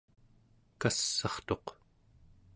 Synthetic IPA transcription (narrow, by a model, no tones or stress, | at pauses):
kasːɑχt̪o̞q